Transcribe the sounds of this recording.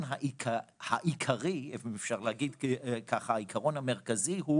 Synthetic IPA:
nɦaʔikahaʔikʰaʁiefefʃaʁleaɡid̪kʰaχaaikʰaʁonhame̞ʁkaziɦu

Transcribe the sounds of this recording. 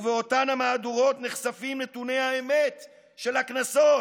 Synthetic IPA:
veotanhamaːduʁo̞tneχsafimnetunehaemet̪ | ʃe̞laknaso

